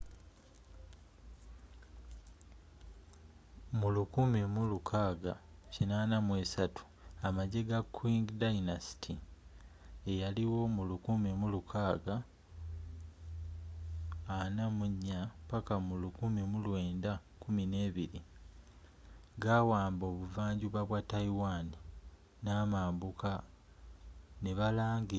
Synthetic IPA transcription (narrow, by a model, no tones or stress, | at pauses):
mulukumimulukʰaːɡacinaːnamwe̞ːsatu̥ | amaɟe̞ɡakwiŋɡdainasi̥tʰi | ejaliwo̞mulukumimulukʰaːɡa | namuɲːapakamulukumimulwe̞ːndakumine̞ːβiɾi | ɡawaːmbo̞ːβuvaːɲɟuβaβwataiwaːni | naːmaːmbuka | neβalaːŋɡi